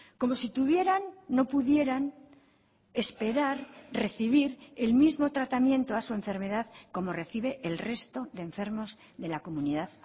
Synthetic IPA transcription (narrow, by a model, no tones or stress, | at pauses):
ko̞mo̞sit̪uβ̞je̞ɾanːo̞puðje̞ɾan | e̞spe̞ɾaɾre̞θiβ̞iɾe̞lmizmo̞t̪ɾat̪amjẽ̞nt̪oasue̞ɱfe̞ɾme̞ðaðko̞mo̞re̞θiβe̞ʔelre̞st̪o̞ðe̞ːɱfe̞ɾmo̞z | ðe̞lako̞muniðað